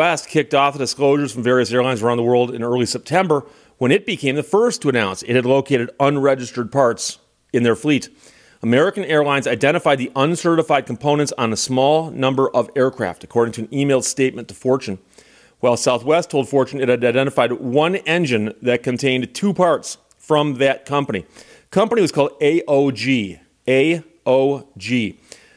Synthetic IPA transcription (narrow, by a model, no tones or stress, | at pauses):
ɛst̚kʰɪk̚tɔfədɨskloʊʒə˞z̥fɹʌ̃ɱvɛɹiɨsɛɹlãɪ̃nzə˞ãʊ̃nðəwɜ˞lˠdɨ̰̃nɜ˞lˠisɛp̚tʰɛ̃mbə˞ | wə̃ñɨt̚b̥ɨkʰẽɪ̃mðɨfɜ˞stʰəɨnãʊ̃nsɨt̚hɨdˡloʊkʰeɪɾɨɾʌ̃nɹɛd͡ʒɨstə˞d̚pʰɑɹts | ɨ̃nðə˞fliɾ | əmɛɹɨkɨ̃nɛɹlãɪ̃nzaɪdɛ̃ɾ̃ɨfaɪd̪̚ðiʔʌ̃nsɜ˞ɾəfaɪd̚kʰm̩pʰõʊ̃nɨ̃ntsn̩əsmɔlˠnʌ̃mbə˞ʔʌvɛɹkʰɹ̥æ̰ftɨkʰɔɹɾɪ̃ŋtʰɨɨ̃nimeɪlˠd̥steɪt̚mɨ̃ntʰə̥fɔɹt͡ʃɨ̃n | waɪlˠsaʊθwɛstʰoʊlˠd̥fɔɹt͡ʃɨ̃nɨɾadɛɪdɛ̃ɾ̃ɨfaɪd̚wʌ̃nɛ̃nd͡ʒɨ̃nðɨt̚kɨ̃ntʰẽɪ̃ntʰupʰɑɹts | fɹʌ̃mðɨt̚kʰʌ̃mpənḭ | kʰʌ̃mpəniwʌz̥kʰɔlˠdeɪʔoʊd͡ʒi | eɪ | oʊd͡ʒi